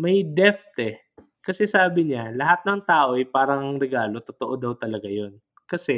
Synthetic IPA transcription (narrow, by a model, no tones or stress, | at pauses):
mɐjd̪ɛft̪ɛ | kɐsɛsaːbɪɲalɐɦat̪̚nɐŋt̪aːʔo̞ɐjpaːɾɐŋɐŋɾɛɡaːlo̞t̪ot̪oʔod̪ɐwt̪ɐlɐɡajo̞n | kɐsɛ